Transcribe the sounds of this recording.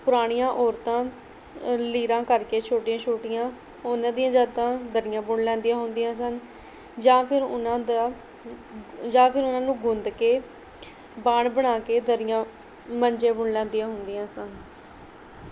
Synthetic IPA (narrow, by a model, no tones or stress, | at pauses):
pʊɾaːɽ̃ɪjãːʔɔːɾt̪ãː | liːɾãːkəɾkeːt͡ʃʰoːʈɪjãːt͡ʃʰoːʈɪjãː | onãːd̪ijãːd͡ʒaːt̪ãːd̪əɾɪjãːbʊɳlɛ̃ːnd̪ijãːɦʊnd̪ijãːsən | d͡ʒãːpʰɪɾʊnãːd̪a | d͡ʒãːpʰɪɾʊnãːnũːɡʊ̃nd̪keː | baːɳbəɽ̃aːkeːd̪əɾɪjãː | məɲd͡ʒẽːbʊɳlɛ̃ːnd̪ijãːɦʊnd̪ɪjãːsən